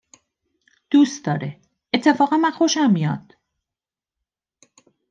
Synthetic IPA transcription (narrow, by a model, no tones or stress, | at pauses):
d̪̥ust̪̚d̪ɒːɾe | et̪ʰːe̞fɒːɣænmænxoʃæmmijɒ̰d̪̥